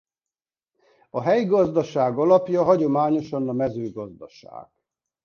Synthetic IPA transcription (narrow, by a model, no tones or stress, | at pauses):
ɒɦɛjɡɒzd̪ɒʃaːɡɒlɒpjɒɦɒɟo̞maːɲo̞ʃɒnɒmɛzøːɡɒzd̪ɒʃa̰ːɡ̥